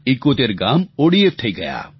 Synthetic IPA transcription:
ɪkːot̪eɾɡaːmoːɽiefʈ̪ʰɐiɡɐja̰ː

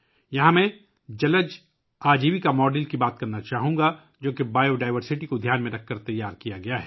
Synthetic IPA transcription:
jɐɦãmɛ̃ | d͡ʒɐləd͡ʒ | aːd͡ʒiːʋikamɔːɖɪlkibaːt̪̚kɐɾnat͡ʃaːɦũːɡa | d͡ʒoːkebaːjoɖaːɪʋəɾsɪʈikod̪ʱjaːnmẽɾɐkʰːɐɾt̪ɐjːaːɾkijaɡɐjaɦɛː

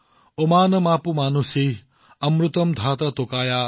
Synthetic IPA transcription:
omaːnɐmaːpumaːnusi | ɐmɾut̪ɐmd̪ʱaːt̪ɐt̪okaːja

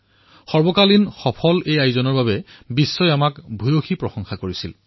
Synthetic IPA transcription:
xɔɹbɔkalinxɔpʰɔlejajzɔnɔɹbaβɛbisːɔjamakbʱujoxipɹɔxɔŋxakoɹisil

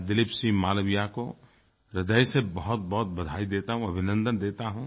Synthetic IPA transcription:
d̪ɪlɪpsimaːləbijako | ɾɪd̪əjsebɐɦʊt̪̚bɐɦʊt̪̚bɐd̪ʱaːid̪eːt̪aɦũɐbʱɪnə̃nd̪ənd̪eːt̪aɦũ

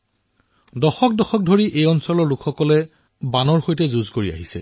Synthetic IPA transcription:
dɔxɔk̚dɔxɔk̚dʱoɹiʔejɔnsɔlɔɹlukʰxɔkɔlɛ | banɔɹxojtɛzuzkoɹia̰ɦisɛ̰

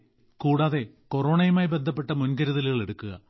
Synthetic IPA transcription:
kuːɽaːðe̞ | koroːɳɐjumaːjbe̞nd̪ʱɐpːe̞ʈːɐmunkɐɾuðɐliɣɐɭe̞ɽukːuɣɐ̰

